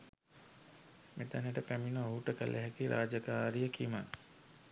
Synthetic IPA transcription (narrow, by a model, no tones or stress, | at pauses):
met̪aneʈəpæminəoɦuʈəkə̰lʔeɦækiɾʔaːd͡ʒakaːɾijəkima